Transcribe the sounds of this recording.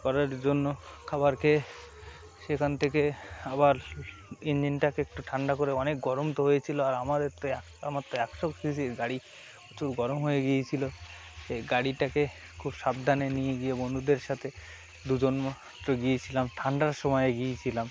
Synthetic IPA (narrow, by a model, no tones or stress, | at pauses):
kɔɾeɾd͡ʑonːokʰabaɾke | ʃekʰant̪ʰekeabaɾ | ind͡ʑinʈakeek̚ʈuʈʰaɳɖakoɾeɔnek̚ɡɔɾomt̪oɦojet͡ɕʰiloaɾamad̪eɾt̪o | amat̪ːoɛkʃoksisiɾɡaɽi | ut͡ɕuɾɡɔɾomɦojeɡiet͡ɕʰilo | ʃeɡaɽiʈake | kʰubʃab̚d̪ʱanenijeɡijebond̪ud̪eɾʃat̪ʰe | d̪ud͡ʑonma | t̪ːɾoɡijet͡ɕʰilamʈʰaɳɖaɾʃɔmɔjeɡijet͡ɕʰilam